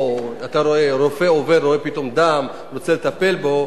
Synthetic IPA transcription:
at̪aɾoeɾofe̞oveɾo̞epit̪o̞md̪am | lot͡selet̪ape̞lbo̞

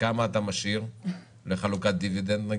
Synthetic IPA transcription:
kamaːt̪amaʃiʁ | leχalukat̪̚d̪ivid̪end̪na

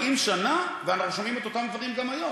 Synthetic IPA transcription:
imʃanaveanaχnuʃamime̞t̪o̞t̪amd̪vaʁimɡamajo̞

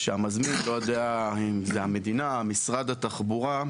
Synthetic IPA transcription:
ʃeamazminlo̞jod̪eaimzeame̞d̪inaːmisʁad̪at̪aχbuʁa

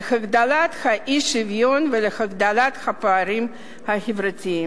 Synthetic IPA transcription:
exaɡd̪alat̪xaʔiʃivjonvelexaɡd̪alat̪xapaaɾim | haxevɾatiim

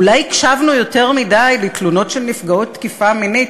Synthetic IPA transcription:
ulajkʃavnujo̞te̞ʁmidajlet̪luno̞tʃelnifɡaot̪ːkifaminit

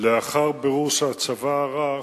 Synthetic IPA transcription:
leaχaʁbeʁuʃat͡savaʁa

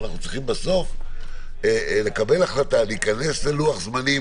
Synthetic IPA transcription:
naχnut͡sʁiχimbaso̞f | ele̞kabe̞laχlat̪aleikane̞sleluaχzmani

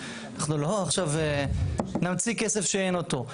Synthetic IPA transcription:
anaχnuloaχʃave | namt͡sikese̞fʃeeno̞to̞

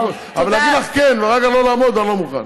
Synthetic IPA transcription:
avalaɡilaχkenveʁeɡalo̞laːmo̞d̪anlo̞muχa̰n

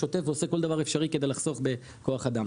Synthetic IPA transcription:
ot̪e̞fveose̞ko̞ld̪avaʁefʃaʁiked̪e̞jlaχz̥o̞χbe̞ | ko̞aχad̪am

